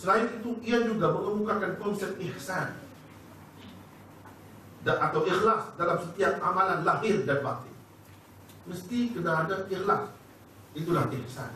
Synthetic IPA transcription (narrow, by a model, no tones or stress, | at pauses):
səlaɪt̪it̪uʔiad͡ʒuɡaməŋəmukakankɔnsɛp̚t̪ɪhsan | daʔat̪awixlasdalamsət̪iap̚ʔamalanlaɦɪrdanbat̪ḭ | məst̪ikənaːdaixla̰s | it̪ulahihsa̰n